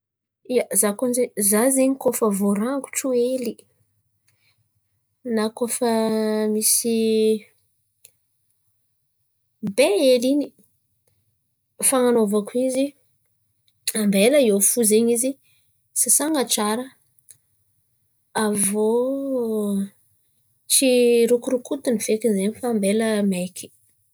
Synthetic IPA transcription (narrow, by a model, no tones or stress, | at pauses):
iazakonzezazeɲikofavoɾaŋɡu̥ʈ͡ʂoeli | nakofəmisi | beelini | faŋanovakuizi | ambeləiofuzeɲizi | sasaŋaʈ͡ʂaɾə | avo | t͡ʃiɾukuɾukut̪univ̥ekinzeɲifaːmbeləmekʰi̥